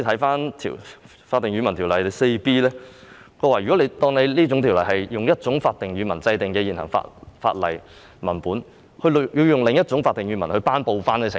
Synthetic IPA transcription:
t̪ʰɐ˨˥jfaː˥nt̪ʰḭ˨˩ | faː˧t̪̚ːɪ˨ŋɥyː˨˧mɐ˨˩nt̪ʰi˨˩wlɐ˨˩˧se˧jpiː˥lɛː˥ | kɔː˧waː˨˩jyː˨˩ɔ˨˥le˨˧t̪ɔː˧ŋne˨˧jliː˥t͡sʊ˧˥ŋt̪ʰi˨˩wlɐ˨˩jhɐ˨jjʊ˨ŋjɐ˥t̚t͡sʊ˨˥ŋfaː˧t̚t̪ɪ˨ŋjyː˨˧mɐ̰˨˩nt͡sɐ˧jt̪ɪ˨ŋkɛː˧jiː˨˩nɦɐ̰˨˩ŋfa̰ː˧t̚fa̰ː˧t̚lɐ̰˨˩j | mɐ˨˩npuː˨˥n | hɵ˧ljiː˧wjʊ˨˩ŋlɪ˨ŋjɐ˥t̚t͡sʊ˨˥ŋfaː˧t̪̚ːɪ˨ŋɥyː˨˧mɐ˨˩nhɵ˧ɥpaː˥npo˨˧wfaː˥nke˨˧sɪ̰˨

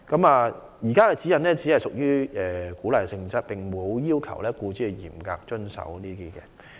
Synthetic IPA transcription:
kɐ˨˥maː˨˧ | jiː˨˩kaː˥kɛː˧t͡siː˨˥jɐ˨nnɛː˥t͡si˨˥hɐ˨jsʊ˨k̚jyː˥ɛː˨˩kuː˨˥la˨jsɪ˧ŋt͡sɐ˥t̚pɪ˨ŋmo˨˧wjiː˥wkʰɐ˨˩wlɛː˥kuː˧t͡syː˥˨jḭː˨˩mka̰ː˧k̚t͡ʃɵ˥nsɐ̰˨˥wniː˥t̪iː˥kɛ̰˧

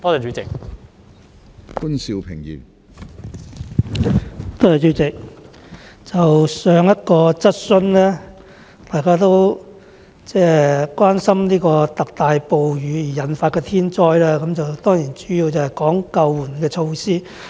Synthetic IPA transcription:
t̪ɔː˥tɛ˨˩t͡ʃy˨˥t͡sɪ˨k̚ | kuː˥nsi˧wpʰɪ˨˩ŋjy̰ː˨˩n | t̪ɔː˥ɛː˨˩t͡ʃyː˨˥t͡sɪ˨k̚ | t͡sɐ˨wsœː˨˧ŋjɐ˥t̚kɔː˧t͡sɐ˥t̚sɵ˧nlɛː˥ | t̪aː˨˩jkaː˥t̪̬o˥w | t͡sɛː˥kwaː˥nsɐ˥mniː˥kɔː˧t̪ɐ˨k̚t̪aː˨jpo˨wjyː˨˧jiː˨˩jɐ˨˧nfaː˧t̚kɛː˧t̪ʰiː˥nt͡ʃɔː˥jlaː˥kɐ˨˧˥mt͡sɐ˨wt̪ɔː˥ŋjiː˨˩nt͡syː˨˥jiː˧wt͡sɐ˨whɛ˨jkɔː˨˥ŋkɐ˧wːuː˨˩nkɛː˧t͡ʃʰo˧wsiː˥

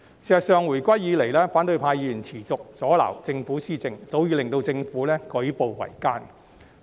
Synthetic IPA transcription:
siː˨˩sɐ˨t̚sœː˨ŋwu˨˩jkʷɐ˥jiː˨˧˥le˨˩jlɛː˥faː˨˥nt̪ɵ˧ɥpʰaː˧jiː˧jyː˨˩nt͡sʰiː˨˩t͡sʊ˨k̚t͡sɔː˨˥la̰ː˨˩wt͡sɪ˧ŋfuː˨˥siː˥t͡sɪ˨ŋt͡so˨˥wjiː˧lɪ˨ŋt̪o˧wt͡sɪ˧ŋfuː˨˥lɛː˥kɵ˨˥ɥpo˨˧wwɐ̰˨˩jkaː˥n

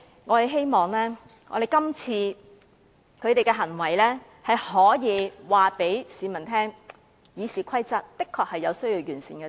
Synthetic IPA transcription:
ŋɔː˨˧t̪e˨˧jɦe˥jmɔː˨ŋlɛː˥ | ŋɔ̰˨˧ɾe˨jkɐ˥mt͡sʰiː˧ | kʰɵ˨˧ɥt̪e˨jkɛː˧ɦɐ˨˩nwɐ˨˩jlɛː˥ | hɐ˨jhɔː˨˥jiː˨˧waː˨pe˨˥jsiː˨˥mɐ˨˩nt̪ʰɛː˥ŋ | jiː˨˧siː˨kʷʰɐ˥jt͡sɐ˥t̚t̪ɪ˥kʰːɔː˧k̚hɐ˨jːɐ˨˧wsɵ˥ɥjiː˧wjyː˨˩nsiː˨nkɛː˧

